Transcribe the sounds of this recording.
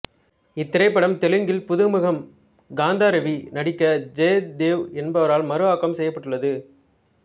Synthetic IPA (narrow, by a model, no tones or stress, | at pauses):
ɪt̪ːɪɾɐɪpːɐɽɐmt̪ɛlɯŋɡɪlpʊðɯmɯɣɐm | ɡaːnd̪aːɾɐʋinɐɽɪkːɐd͡ʒeːd̪eːʋɛnbɐʋɐɾaːlmɐɾɯʋaːkːɐmsɛjːɐpːɐʈːɯɭːɐðɯ